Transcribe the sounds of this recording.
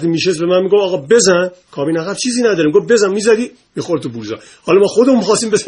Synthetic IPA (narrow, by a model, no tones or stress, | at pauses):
d̪iːmiːʃesbemænmiːɡofɒːɣɒːbe̞zænkʰɒːbiːnæɣæbt͡ʃʰiːziːnæd̪ɒɾimɡofbe̞zænmiːzæd̪iː | miːxoɾt̪ʰubuɾzɒ̰ | hɒːlɒmɔːxod̪emunmixɒːst̪iːmbez